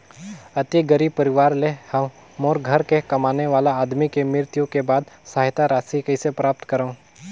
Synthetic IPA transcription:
ɐt̪iɡəɾib̚pəɾɪʋaːɾlehɐ | moːɾɡʱɐɾkekɐmaːneʋaːlaaːd̪mikemɪɾt̪jõkebaːd̪saːɦɪt̪aɾaːsikɐɪsepɾaːp̚t̪kəɾaũ

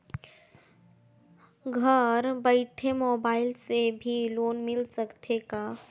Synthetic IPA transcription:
ɡʱɐɾbəɪʈʰemoːbaːɪlsebʱiloːnmɪlsɐkt̪ʰeɡaː

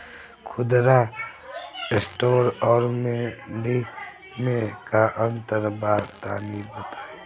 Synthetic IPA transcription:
kʰʊd̪ɾa | sʈoːɾɔːɾmeɳɖi | mẽkaʔə̃nt̪əɾbaːt̪a̰ːnibət̪aːe

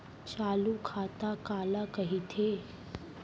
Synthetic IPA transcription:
t͡ʃaːlukʰat̪akalakəɦit̪ʰe

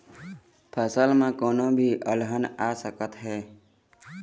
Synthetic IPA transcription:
pʰəsəlmãːkoːnõbʱiːʔəlɦənaːsəkət̪ɦɛː

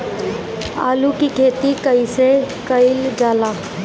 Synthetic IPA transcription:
a̰ːlukikʰeːt̪ikəisekəɪld͡ʒaːla

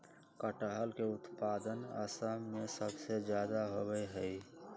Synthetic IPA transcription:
kəʈəɦəlkeʊt̪paːd̪ənə̰səmːẽsəbsed͡ʒjaːd̪aɦobɛjɦəi

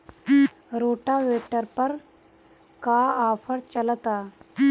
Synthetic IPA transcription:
ɾoʈaʋeʈəɾpəɾ | kaafʰəɽt͡ɕəlt̪a

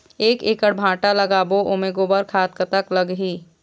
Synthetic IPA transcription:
eːkeːkəɽbʱãːʈalɐɡaːboʔomeɡoːbəɾkʰaːt̪̚kət̪aklɐɡɦiː

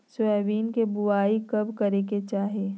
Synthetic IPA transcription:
sɛːʋiːnkebʊaːikɐbkɐɾeket͡ʃaːɦeː

